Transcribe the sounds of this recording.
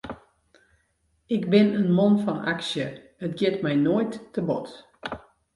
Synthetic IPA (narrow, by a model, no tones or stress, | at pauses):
ɪkbɪnənmɔnfɔna̰ksjə | ətɡɪtmɛjnojtːəbɔt